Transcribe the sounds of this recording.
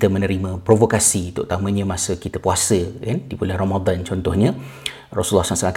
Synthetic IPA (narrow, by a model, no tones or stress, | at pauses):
t̪əmənə̃ɾimãpɾovokasit̪ʊ̰ʔt̪amə̃ɲãmasəkit̪əpuasəkandibulɛhromad̪ant͡ʃɔnt̪ɔhɲə̃ | ro̰sulːɔhsamsalak